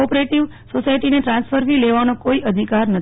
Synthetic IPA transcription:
ɔpɾeʈiʋ | sosajʈineʈɾãnsfʰəɾʋileʋanõkoiʔəd̪ʱikaɾnət̪

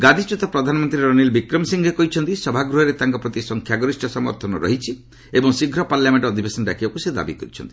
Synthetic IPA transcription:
ɡad̪ʱit͡ʃut̪ɔpɾɔd̪ʱanɔmɔnt̪ɾiɾɔnilbikɾɔmsiŋɡʱekɔɦit͡ʃʰɔnt̪isɔbʱaɡɾuɦeɾet̪aŋkɔpɾɔt̪isɔŋkʰjaɡɔɾisʈɔsɔmɔ̰ɾt̪ʰɔnɔɾɔ̰ɦit͡ʃʰi | ebɔŋsiɡʱɾɔpaɾljameɳʈɔd̪ʱibesɔnɖa̰kʰibakused̪a̰bikɔɾit͡ʃʰɔ̰nt̪i̥

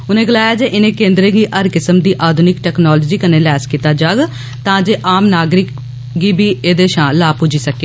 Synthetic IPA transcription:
ʊnẽːɡəlaːjaːd͡ʒeːʔɪnẽːkẽːnd̪ɾeɡiːʔəɾkɪsəmd̪iːʔaːd̪ʱʊnɪkʈɛːknɔːlɔːd͡ʒiːkənẽːlɛːskiːt̪aːd͡ʒaːɡ | t̪ãːd͡ʒeːʔaːmnaːɡɾɪk | ɡiːbʱiːeːd̪eːʃãːlaːpʊd͡ʒiːsəkeː

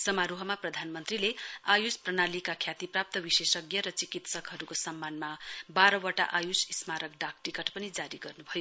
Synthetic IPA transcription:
sʌmaɾuɦʌmaprʌd̪ʱanmʌnt̪rileajusprʌnalikakʰjat̪iprap̚t̪ʌbisesʌɡjʌɾʌt͡sikit̪sʌkɦʌɾukosʌmːanmabaɾʌwʌʈa̰ʔajusismaɾʌkɖak̚ʈikʌʈpʌnid͡zaɾiɡʌrnubʱʌjo

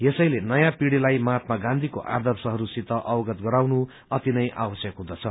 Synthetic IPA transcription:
jesʌjlenʌjãpiɽilajmat̪maɡãnd̪ʱikoʔa̰rd̪ʌrsʌɦʌɾusit̪ʌʔʌwʌɡʌt̪ɡʌɾawnu | ʌt̪inʌjʔa̰wʌsjʌkɦũd̪ʌt͡sʰʌ

